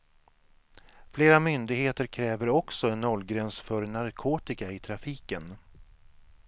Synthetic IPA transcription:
fleːɾamʏnd̪ɪɡheːt̪əɾkʰɾɛːvəɾɔksɔɛnːɔlːɡɾɛnsfœɾnaɾkʰoːt̪ɪkaɪt̪ʰɾafiːkən

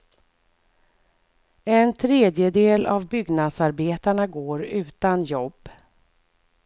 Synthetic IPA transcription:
ɛnt̪ʰɾeːd̪jəd̪eːlavbʏɡnad̪saɾbeːt̪aɳaɡoːɾʉ̟ːt̪anjɔbː

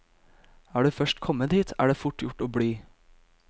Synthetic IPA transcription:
æːɖʉːfœʃʈkʰɔməd̪iːt̪ʰæ̰ːɖeːfʊʈjʊʈoːbɽiː

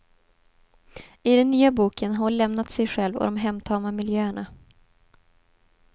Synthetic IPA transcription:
ɪd̪ɛnːyːabuːkʰənɦaʊnlɛmnat̪sɛjɧɛlvɔ̰d̪ɔmɦɛmt̪ʰɑːmamɪljøːəɳa

